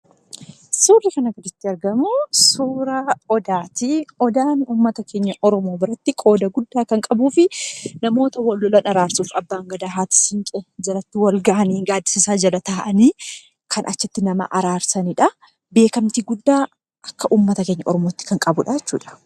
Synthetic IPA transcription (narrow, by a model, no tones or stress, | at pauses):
suːlːɪkɐnɐɡɔd̪ɪt̪ːɪɐɾɡɐmʊsuːɾɐɔd̪aːt̪ɪɔd̪aːnuːmːɐt̪ɐke̞ːɲːɐʔɔɾɔmo̞ːbɪɾɐt̪ːɪkʼo̞ːd̪ɐɡʊd̪ːaːkɐŋkʼɐbuːfɪnɐmo̞ːt̪ɐwɐlːɔlɐnɐɾaːɾsuːfɐbːaːŋɡɐd̪aɦaːt̪ɪ̥sɪŋkʼɛd͡ʒɐlɐt̪ːɪwɐlɡɐʔɐniːɡaːd̪ːɪsɪsaːd͡ʒɐlɐt̪aːʔɐniː | kʰɐnʔɐt͡ʃːɪt̪ːɪnɐmɐ̰ʔɐɾaːɾsɐniᶑɐ | be̞ːkɐmt̪iɡʊd̪ːaː | ʔɐkːɐʔuːmːɐt̪ɐke̞ːɲːɐ̰ʔɔɾɔmoːt̪ːɪ̥kɐŋkʼɐbʊᶑɐd͡ʒɛt͡ʃːṵːᶑɐ̥